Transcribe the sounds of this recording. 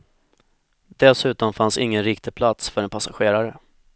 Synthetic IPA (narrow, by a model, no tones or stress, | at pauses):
d̪ɛlsʉ̟ːt̪ɔmfansɪŋːənɾɪkt̪ɪpʰlat̪sfœɾɛnpʰasaɧeːɾaɾə